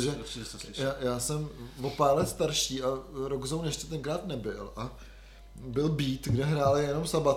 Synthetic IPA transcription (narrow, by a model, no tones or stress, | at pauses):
ʒɛjaːjaːsɛmvo̞paːɾlɛt̪st̪aɾʃiːʔaɾoɡzownjɛʃcɛt̪ɛnkɾaːt̪nɛbɪlʔa | bɪlbiːt̪ɡdɛɦɾaːlɪjɛno̞msabat̪